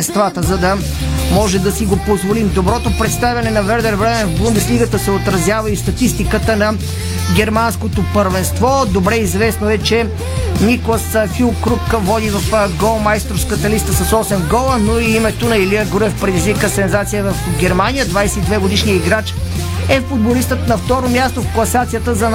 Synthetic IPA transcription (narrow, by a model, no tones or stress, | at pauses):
nst̪vat̪əzɐd̪ɐ | mɔʒɛd̪ɐsiɡopozvolimd̪obɾɔt̪opɾɛt̪st̪avʲjɐnɛnɐvɛɾd̪ɛɾvɾɛmɛnvblˠund̪ɛslʲiɡət̪əsɛot̪ɾɐzjavɐist̪ɐt̪ist̪ikət̪ənɐ | ɡʲɛɾmanskot̪opəɾvɛnst̪vɔd̪obɾɛizvɛsnoɛt͡ʃɛ | niklˠəsfilˠkɾukvɔd̪ivɐfɡɔlˠmajst̪ɾofskət̪əlist̪əsɐsɔsɛnɡɔlˠənoiimɛt̪onɐiliəɡuɾɛfpɾɛd̪izvikəsɛnzat̪sijəvɐfɡʲɛɾmanijəd̪vajsɛid̪vɛɡod̪iʃnijəiɡɾat͡ʃ | ɛffud̪̚bolist̪ət̪nɐft̪ɔɾomʲjast̪ofklˠɐsat̪sijət̪əzɐn